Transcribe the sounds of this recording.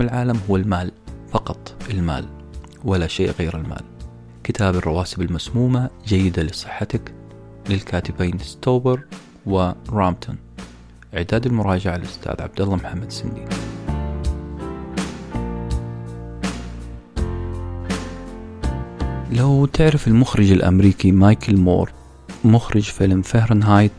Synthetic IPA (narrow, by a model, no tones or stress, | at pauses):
ɪlʕaːlamɦʊwːalmaːlfɑqɑt̪ˤʔɪlma̰ːl | wɪlaʃeːʔɣeːɾɪlma̰ːl | kɪt̪ʰaːbɪrˤːɑwaːsɪbalmasmuːmad͡ʒajːɪd̪alɪsˤɨħːat̪ak | lɪlkʰaːt̪ɪbeːnst̪oːbɪɾ | wɪɾˤaːmt̪ʰʊn | ʔʕɪd̪aːd̪ɪlmʊɾˤɑːd͡ʒɪʕalʔʊst̪ʰa̰ːðʕa̰b̚d̪alːɑmħamːad̪sɪnd̪iː | lawt̪ɪʕɾɪfɪlmʊxɾˤɪd͡ʒɪlʔa̰mɾiːkimaːjkʰɪlmo̰ːɾ | mʊxɾɪd͡ʒfɪlmfahɾɪnɦajt̪